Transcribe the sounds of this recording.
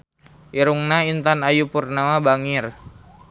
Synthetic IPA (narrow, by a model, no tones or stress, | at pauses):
ʔiɾuŋnaint̪anajupurnamabaŋir